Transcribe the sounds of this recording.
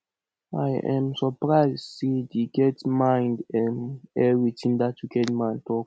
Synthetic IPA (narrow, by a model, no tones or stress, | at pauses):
a̰jʔɛ̰̃msɔpɹaɪzsedeɡɛtmãɪ̃ndɛ̃nɛɹitĩndatuɡɛtmãɪ̃ntʰɔk